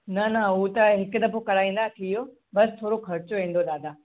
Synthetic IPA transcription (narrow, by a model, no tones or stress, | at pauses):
nɐnɐuːt̪ɐɦɪkʊɗ̪ɐpokɐɽaːĩːn̆d̪aːk̪ʰijo | bɐst̪ʰoːɾokʰɐɾɪt͡ɕoʋẽːn̆d̪oɗaːd̪ʱaː